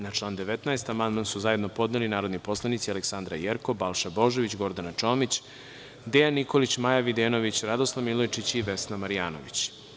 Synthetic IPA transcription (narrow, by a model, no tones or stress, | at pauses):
nat͡ʃlˠaːnd̪eʋet̪naest̪amand̪mansuzajed̪no̞po̞d̪nelinaːɾo̞d̪nipo̞slˠanit̪sialeksand̪ɾajeɾko̞balˠʃabo̞ʒeʋit͡ɕɡo̞ɾd̪anat͡ʂo̞ːmit͡ɕ | d̪ejanːiko̞lit͡ɕmajaʋid̪eːno̞ʋit͡ɕɾad̪oslˠaʋmilˠojt͡ʃit͡ɕiʋesnamaɾijaːno̰ʋit͡ɕ